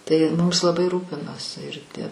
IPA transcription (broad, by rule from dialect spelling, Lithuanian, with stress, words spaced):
tɐɪ ˈmʊmʲɪs lˠɐˈbɐɪ ˈruːpʲɪnoːsʲɪ ɪr tʲiɛ